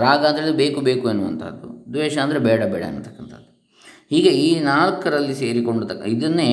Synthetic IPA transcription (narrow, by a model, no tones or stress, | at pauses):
ɾaːɡɐːnt̪ʰeɭːlid̪ubeːkubeːkuenːuʋɐ̰nt̪ʰɐ̰d̪ːṵd̪ʋɛːʃɐːnd̪ɐɾebɛːɽɐbɛ̰ːɽɐ̰ḛnːut̪ɐ̥kːɐnt̪ʰɐ̰d̪ːu | hiːɡeiːnaːɭkɐɾɐlːise̞ːɾiko̞ɳɖut̪ɐkːid̪ɐnːe